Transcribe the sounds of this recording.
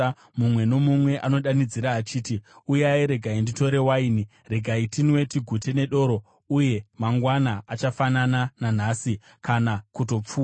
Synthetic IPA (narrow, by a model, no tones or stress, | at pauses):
mumwe̞no̞mumwe̞ʔano̞ɗanid͡ziɾaːt͡ʃiːtiujaiɾe̞ɡʱaindito̞ɾe̞waini | re̞ɡʱaitinwe̞tiɡʱute̞ne̞ɗo̞ːɾo̞ | uje̞maŋɡwanaat͡ʃafanananan̤asi | kanakuto̞p͡fuːa